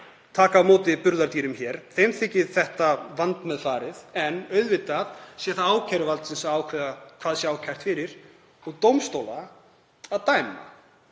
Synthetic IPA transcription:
t̪ʰaːkamoːt̪ɪpʏɾðaɾt̪iːɾʏmçɛːɾ̥θejmθɪcːɪðθɛht̪avant̪mɛðfaːɾɪðɛnœɥðvɪt̪aðsjɛθaaːwcʰɛɾʏvalt̪sɪnsaaːwkʰvɛːðakʰvaːðsjaːwcʰajr̥t̪fɪɾɪɾ̥ | ɔɣt̪owmst̪owla | aðt̪aːjma̰

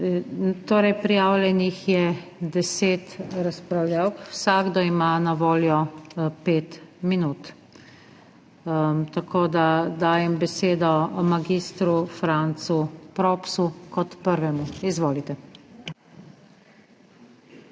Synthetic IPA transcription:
t̪oːɾɛjpɾijaːwlʲjɛnixjɛd̪ɛseːt̪ɾaspɾawlʲjawkwsaːɡd̪ɔimanaʋoːljɔpeːt̪minuːt̪ | t̪akoːd̪ad̪aːjɛmbɛseːd̪ɔmaɡiːst̪ɾufɾant̪supɾɔːpsukɔt̪pəɾʋɛmuizʋoːlit̪ɛ

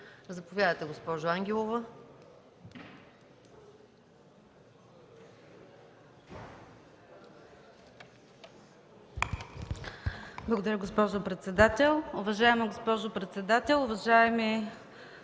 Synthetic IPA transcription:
zɐpovʲjad̪ət̪ɛɡospɔʒoaŋɡʲɛlˠovə | blˠɐɡod̪ɐɾʲəɡospɔʒopɾɛt̪sɛd̪at̪ɛlˠʊvɐʒaɛmɐɡospɔʒopɾɛt̪sɛd̪at̪ɛlˠʊvɐʒaɛmɛ

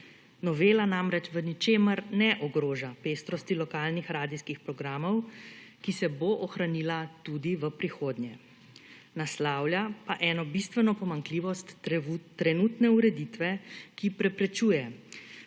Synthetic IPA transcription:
nɔʋeːlanamɾɛt͡ʃʋənit͡ʃeːməɾnɛʔɔɡɾoːʒapeːst̪ɾɔst̪ilɔkaːlnixɾaːd̪iskixpɾɔɡɾaːmɔwkisɛboʔɔxɾanilat̪ud̪iʋəpɾixoːd̪ɲjɛ | naslaːwljapaʔɛːnɔbist̪ʋɛnɔpɔmaŋkliːʋɔst̪ːɾɛnuːt̪nɛuɾɛd̪it̪ʋɛkipɾɛpɾɛt͡ʃuːjɛ

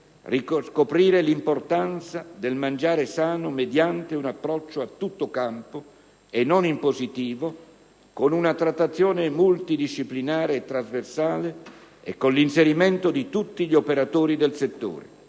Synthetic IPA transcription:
riskopɾiːɾelimport̪ant̪sad̪elmand͡ʒaːɾesaːnomed̪jant̪eunapːɾɔt͡ʃːoat̪ːut̪ːokampo | enːonimpozit̪iːvo | konunat̪ɾat̪ːat̪sːjoːnemult̪id̪iʃːiplinaːɾeːt̪ːɾazversaːleḛkːonlinseɾiment̪od̪it̪ut̪ːiʎiopeɾat̪oːɾid̪elset̪ːo̰ːɾḛ

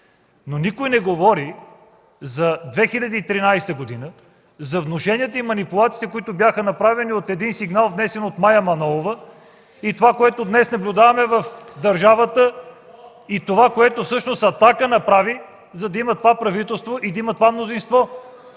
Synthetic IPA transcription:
nonikojnɛɡovɔɾi | zɐd̪vɛxiʎʲɐd̪iːt̪ɾinajst̪əɡod̪inə | zɐvnoʃɛniət̪əimɐnipʊlˠat̪si̥t̪ɛkoit̪ʊbjaxənɐpɾavɛniot̪ɛd̪insiɡnalˠvnɛsɛnot̪majɐmɐnɔlˠovə | it̪ovakoɛt̪od̪nɛsnɐblʲʊd̪avɐmɛvɐfd̪ɐɾʒavət̪ə | it̪ovakoɛt̪ofsɤʃnosɐt̪akənɐpɾavi | zɐd̪ɐimɐt̪ovapɾɐvit̪ɛlˠst̪voʔid̪ɐimɐt̪ovamnozinst̪vɔ

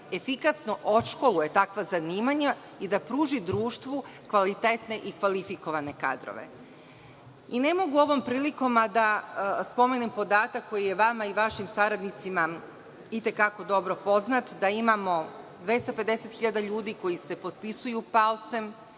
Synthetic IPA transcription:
e̞fikasnoʔoʃko̞luje̞t̪akʋazaniːmaɲa | id̪apɾuːʒid̪ɾuːʃt̪ʋukʋalit̪et̪ne̞ʔikʋalifiko̞ʋane̞ka̰d̪ɾo̰ʋḛ | ine̞mo̞ɡuo̞ʋo̞mpɾiːliko̞mad̪aspo̞menimpo̞d̪aːt̪akːo̞jije̞ʋamaiʋaʃimsaɾad̪nit̪sima | it̪e̞kako̞d̪o̞bɾopo̞znat̪d̪aimamo̞d̪ʋje̞st̪ape̞d̪e̞set̪xiʎad̪aʎuːd̪iko̞jise̞po̞t̪̚pisujupalt̪se̞m

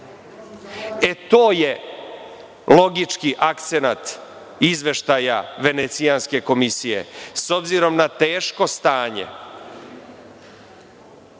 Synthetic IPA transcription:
et̪oːje | lo̞ɡit͡ʂkiʔakt̪se̞nat̪ | izʋe̞ʃt̪ajaʋe̞net̪sianske̞ko̞misijḛso̞bziɾo̞mnat̪e̞ːʃko̞st̪aːɲḛ

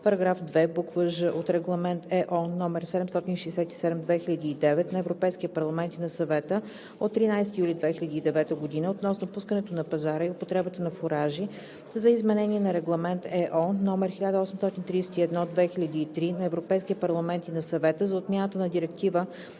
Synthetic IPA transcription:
pɐɾɐɡɾafd̪vɛbukvəʒəʔot̪ɾɛɡlˠɐmɛnt̪ɛʔɔnːɔmɛɾsɛd̪ɛmst̪ɔt̪inʃɛɛsɛt̪i̥sɛd̪ɛmd̪vɛxilʲɐd̪iːd̪ɛvɛt̪nɐɛvɾopɛjskʲiəpɐɾlˠɐmɛnt̪inɐsɐvɛt̪ə | ot̪ːɾinajsɛt̪ijulʲid̪vɛxilʲɐd̪iːd̪ɛvɛt̪əɡod̪inəot̪nɔsnopuskənɛt̪onɐpɐzaɾəiopot̪ɾɛbət̪ənɐfoɾaʒi | zɐizmɛnɛnʲiɛnɐɾɛɡlˠɐmɛnt̪ɛʔɔnːɔmɛɾxilʲad̪əɔsɛmst̪ɔt̪ʲint̪ɾiːsɛt̪iɛd̪nɔd̪vɛxilʲɐd̪iːt̪ɾinɐɛvɾopɛjskʲit̪əpɐɾlˠɐmɛnt̪inɐsɐvɛt̪əzɐot̪mʲjanət̪ənɐd̪iɾɛk̚t̪ivə

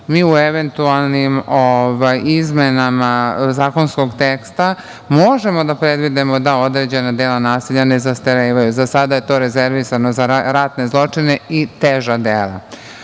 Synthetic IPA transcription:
miːueʋent̪ualˠnimoʋajizmenamazaːko̞nskoɡt̪ekst̪a | moʒemo̞d̪apɾed̪ʋid̪emo̞d̪ao̞d̪ɾeːd͡ʑe̞nad̪elanaːseʎanezast̪eɾeʋajuzasad̪aje̞t̪o̞ɾezeɾʋisanozaɾat̪ne̞zlˠo̞t͡ʂine̞it̪eʒad̪eːlˠa̰

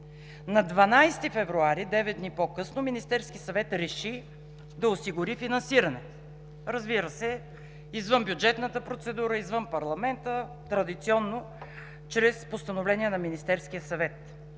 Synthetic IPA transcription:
nɐd̪vɐnajst̪ifɛvɾuaɾid̪ɛvɛd̪̚d̪nipokɤsnominist̪ɛɾskisɐvɛt̪ɾɛʃi | d̪ɐosiɡʊɾifinɐ̃nsiɾɐnɛ | ɾɐzbiɾəsɛ | izvɤnbʲjʊd͡ʒɛt̪nət̪əpɾot̪sɛd̪uɾəizvɤnpɐɾlˠɐmɛnt̪ə | t̪ɾɐd̪it̪siɔnːo | t͡ʃɾɛspost̪ɐnovlɛniɛnɐminist̪ɛɾskiəsɐvɛt̪

